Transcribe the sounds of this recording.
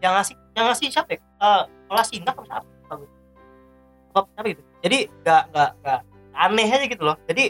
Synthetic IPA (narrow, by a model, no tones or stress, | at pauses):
jaŋasɪ | jaŋasɪht͡ʃapɛ | əːpəlasinakərsa̰pɛpaɡit̪̚ | abapsapɛɡit̪ud͡ʒadiŋɡaʔŋɡaʔŋɡaʔ | anɛɦad͡ʒaɡit̪ulɔhd͡ʒadi